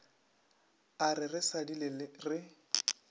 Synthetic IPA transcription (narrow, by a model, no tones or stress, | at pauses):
arɪrɪsadilɪlɪrɪ